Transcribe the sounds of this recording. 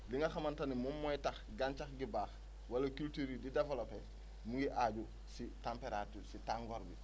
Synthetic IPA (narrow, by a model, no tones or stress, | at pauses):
liŋɡɐxamantanimumːɔjtɐx | ɡaɲt͡ʃaxɡibaːx | walɐkultuɾididefelope | muŋɡiʔaːɟu | sitampeɾatuɾsitaŋɡɔɾbḭ